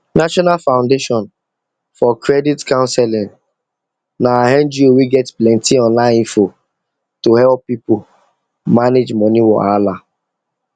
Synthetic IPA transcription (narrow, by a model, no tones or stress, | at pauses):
naʃɔnalfãʊ̃ndeʃɔ̃n | fɔkɾɛditkãʊ̃nsɛlɪ̃n | naaɦɛ̃nd͡ʒiowiɡɛtplɛ̃ntiɔ̃nlãɪ̃fo | toɦɛlpːipʊ | maned͡ʒmɔniwɔ̰ala